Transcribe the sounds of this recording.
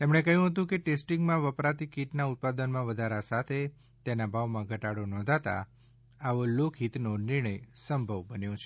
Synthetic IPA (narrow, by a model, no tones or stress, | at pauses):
t̪emɳ̃ekəɦjũɦət̪̬ũkeʈesʈiŋɡmãʋəpɾat̪ikiʈnaʊt̪̚pad̪ənmãʋəd̪ʱaɾasat̪ʰe | t̪enabʱaʋmãɡʱəʈaɽonɔ̃nd̪ʱat̪a̰ | aʋolokʰɦit̪nonɪɾɳəjsəmbʱəʋbənjõt͡ʃʰe